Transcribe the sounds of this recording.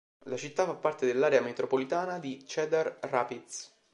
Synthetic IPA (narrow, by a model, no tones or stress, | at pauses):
lat͡ʃit̪ːafːapːart̪ed̪elːaːɾeamet̪ɾopolit̪aːnad̪it͡ʃɛd̪arraːpit̪s